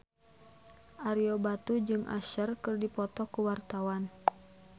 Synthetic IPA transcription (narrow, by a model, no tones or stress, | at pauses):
ʔaɾiobat̪ud͡ʒɨŋʔa̰ʃərkɨrdipɔt̪ɔkuwart̪awan